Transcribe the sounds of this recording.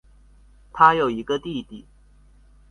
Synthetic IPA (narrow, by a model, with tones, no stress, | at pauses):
t̪ʰa˥jo˨˩ʊi˨˧˥ɡə˧t̪i˥˨t̪i˨˩˦